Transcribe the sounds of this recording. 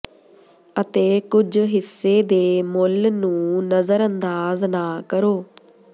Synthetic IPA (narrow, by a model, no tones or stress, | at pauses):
ət̪eːkʊd͡ʒɦɪsːeːd̪eːmʊlnũːnəzəɾənd̪aːznaːkəɾoː